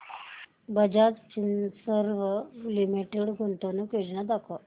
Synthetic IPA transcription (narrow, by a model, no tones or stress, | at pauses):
bəd͡ʑad͡zt͡ɕinsəɾʋəlimiʈeɽɡʱoɳt̪onukjod͡ʑnad̪akʰo